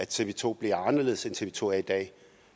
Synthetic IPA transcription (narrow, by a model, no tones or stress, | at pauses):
æ̥t͡sʰe̝ʋet͡sʰo̝̰ːb̥liɐɑ̈nɐle̝ð̩ˠsent͡sʰe̝ʋet͡sʰo̝̰ːæid̥ɛ̰ː